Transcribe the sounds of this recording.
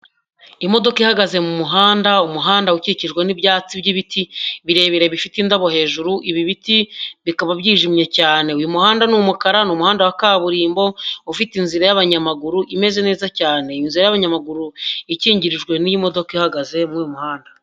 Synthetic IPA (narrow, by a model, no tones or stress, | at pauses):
imo̞do̞kihaɡaze̞mumuɦaːndaumuɦaːndauciciʒɡwenibjaːt͡sibɟiβitʰiβiɾe̞ːβiɾeβifitindaβo̞ɦe̞ːʒuɾuʔiβiβitiβikaβabɟiːʒimɲe̞caːne̞ujumuhaːndanumukaɾanuːmuhaːndawakaβuɾiːmbo̞ufitinziɾajaβaɲamaɡuɾuʔime̞ze̞ne̞ːzacaːne̞inziɾajaβaɲamaɡuɾuiciːɲɟiɾiʒɡwe̞nijimo̞do̞kihaɡaze̞mujumuhaːnda